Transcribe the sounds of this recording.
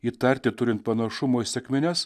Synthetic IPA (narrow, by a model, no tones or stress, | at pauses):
iːt̪ɐɾʲt̪ʲɪt̪ʊɾʲɪnt̪̚pɐnɐʃʊmoːisʲɛkʲmʲɪnʲɛs